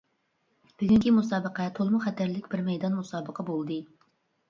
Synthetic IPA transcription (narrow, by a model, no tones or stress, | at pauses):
b̥ɪɡʲyŋkʲʰimusɑːbəqɛt̪ʰolˠmʊχɛt̪ʰæɾlɪkʲbɪɾmɛjd̪ɑnmusɑːbəqʰɑbolˠd̪ɨ